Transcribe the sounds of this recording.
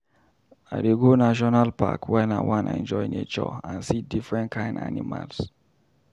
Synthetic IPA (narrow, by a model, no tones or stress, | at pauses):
a̰deɡonaʃɔnalpa̰kʰwɛnawãnɛ̰̃nd͡ʒɔjnḛt͡ʃɔ̰ãnsidifɹɛ̃ntkʰãɪ̃nda̰nima̰ls